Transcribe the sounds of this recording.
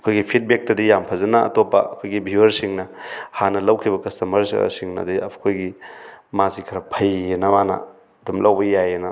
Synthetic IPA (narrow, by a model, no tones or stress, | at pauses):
ɐkʰojɡipʰit̚bek̚tɐdijampʰɐzɐnɐʔɐ̰topːɐɐkʰojɡibʱiwɐɾsiŋnɐhanɐlɐwkʰibɐkɐstɐmɐɾssiŋnɐ̰diɐ̰kʰojɡimazikʰɐɾɐpʰɐjenɐmanɐ̰ | dumlɐwbɐjajenɐ